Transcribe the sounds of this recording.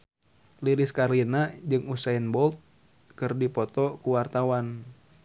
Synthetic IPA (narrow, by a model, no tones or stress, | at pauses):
liliskarlinad͡ʒɨŋusainbɔlt̪̚ | kɨrdipɔt̪ɔkuwart̪awan